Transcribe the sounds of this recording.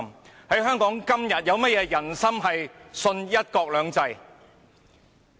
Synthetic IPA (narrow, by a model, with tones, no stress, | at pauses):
mhɐ˨˥jɦœː˥ŋkɔː˨˥ŋkɐ˥mjɐ˨t̚jɐ˨˧wmɐ˥t̚jɛː˨˧jɐ˨˩nsɐ˥mɦɐ˨jsɵ˧njɐ˥t̚kɔː˧k̚lœː˨˧ŋt͡sɐ˧j